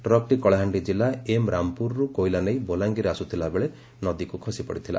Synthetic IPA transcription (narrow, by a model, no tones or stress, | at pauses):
ʈɾɔk̚ʈikɔɭaɦaɳɖid͡ʒilaemɾampuɾɾukojlanejbolaŋɡiɾeasut̪ʰilabeɭe | nɔd̪ikukʰɔsipɔ̰ɽit̪ʰila̰